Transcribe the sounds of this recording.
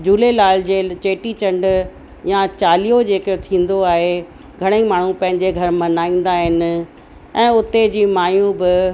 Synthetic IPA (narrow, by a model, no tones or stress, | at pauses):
d͡ʑuːlelaːld͡ʑeːt͡ɕeːʈit͡ɕɐ̃ɳɖ | jãt͡ɕaːlijod͡ʑeːkot̪ʰĩːn̆d̪oaːɦe | ɡʱɐɽ̃əimaːɳ̤ũpɐ̃ɦɪ̃ɲd͡ʑeɡʱɐɾmɐnaːĩːn̆d̪aɦɪnɪ̆ | ɛ̃ːʊt̪ed͡ʑiːmaːjũbɪ